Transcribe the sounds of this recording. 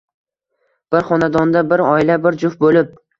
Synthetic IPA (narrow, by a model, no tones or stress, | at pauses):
b̥ɪɾχɒnad̪ɒnd̪abɪɾɒɪlabɪɾd͡ʒʊfbolɪp̚